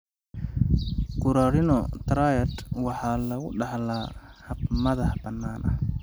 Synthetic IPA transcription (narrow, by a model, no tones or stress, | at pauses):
ɡʊɾaːɾɪnɔt̪ɾajɐd̪wɑħɑːlɐɣʊɖɑħlaːhɐbmɐðɐhbɐnːaːnʔɐ̰